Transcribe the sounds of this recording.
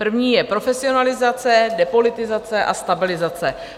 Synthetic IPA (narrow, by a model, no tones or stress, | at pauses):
pr̩vɲiːjɛpɾo̞fɛsɪo̞nalɪzat͡sɛdɛpo̞lɪt̪ɪzat͡sɛʔa̰st̪abɪlɪzat͡sɛ